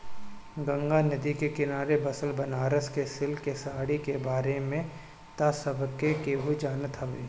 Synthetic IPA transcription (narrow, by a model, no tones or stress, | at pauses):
ɡɐ̃ŋɡanɐd̪ikekɪnaːɾebɐsəlbɐnaːɾəskesɪlkesaːɽikebaːɾemẽ | t̪asəbʱkːekeɦud͡ʒaːnət̪ɐʋeː